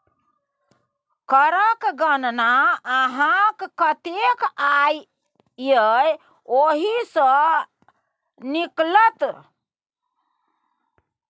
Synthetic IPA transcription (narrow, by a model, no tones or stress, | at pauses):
kəɾəkɡənnaəɦãkkət̪ekaj | jəj | oɦisə̃ | niklət̪